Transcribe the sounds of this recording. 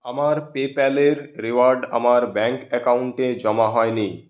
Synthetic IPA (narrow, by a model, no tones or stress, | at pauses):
əmaɾpepɛleɾɾiʋaɾɖə̰maɾbɛ̃ŋkɛkauɳʈẽd͡ʒɔmaɦɔjni